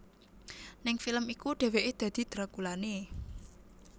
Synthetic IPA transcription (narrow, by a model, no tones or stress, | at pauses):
nɪŋfiləmikuɖ̥e̤weʔed̪̥ä̤d̪̥i̤d̪̥ɾakulane